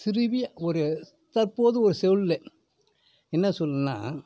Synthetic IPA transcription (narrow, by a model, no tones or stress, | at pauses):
sɪɾɯʋɪjaɔɾɯ | t̪ɐɾpoːðɯɔɾɯsɛʋɯɭlɛ | ɛnːɐsɔlːɯnːa̰ː